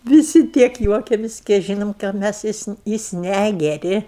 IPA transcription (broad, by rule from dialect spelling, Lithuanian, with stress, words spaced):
ʋʲɪˈsʲɪ ˈtʲiɛk ˈjuɔkʲɛmʲɪsʲ kʲɛɪ ˈʒʲiːnoːm kɑː ˈmʲæs ˈjɪs nʲɛ jɪs ˈnʲæɡʲɛrʲɪ